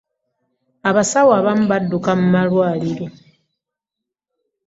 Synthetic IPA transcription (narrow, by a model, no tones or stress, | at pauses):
aβasawaːβamuβadːukamumalwaːliɾo̞